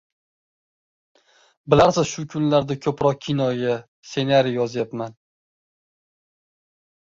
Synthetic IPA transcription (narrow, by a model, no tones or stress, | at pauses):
bɪlaɾsɪzʃʊkʰʊnlaɾd̪akʰɵpɾɒq̚kʲʰɪnɒɡʲa | se̞naɾijjɒzjapman